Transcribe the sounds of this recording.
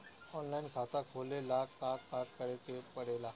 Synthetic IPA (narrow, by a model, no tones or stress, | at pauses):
ɔnlainkʰat̪akʰolelakakaɾkəɾekepəɽela